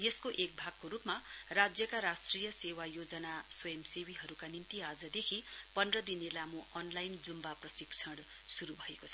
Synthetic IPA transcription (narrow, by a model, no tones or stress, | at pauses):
jeskoʔek̚bʱaɡkoɾupmarad͡zjʌkaɾasʈrijʌsewajod͡zʌnasʌjemsewiɦʌɾukanint̪iad͡zʌd̪ekʰipʌnrʌd̪inelamuʔʌnlajnd͡zumbaprʌsikt͡sʰʌɽ | suɾubʱʌekot͡sʰʌ